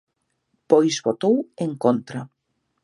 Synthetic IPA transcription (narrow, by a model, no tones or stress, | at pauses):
pojzβot̪oweŋkont̪ɾa